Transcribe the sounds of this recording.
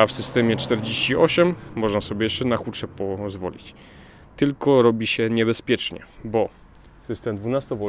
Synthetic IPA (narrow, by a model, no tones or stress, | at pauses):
afsɘst̪ɛmʲjɛt͡ʂt̪ɛɾd͡ʑeɕt͡ɕiɔɕɛmːɔʐnasɔbʲjɛjɛʂt͡ʂɛnaxut͡ʂɛpɔzvɔ̰lʲḭt͡ɕ | t̪ɘlkɔɾɔbʲiɕɛɲɛbɛspʲjɛt͡ʂɲɛ̰bɔ | sɘst̪ɛmd̪vunast̪ɔvɔ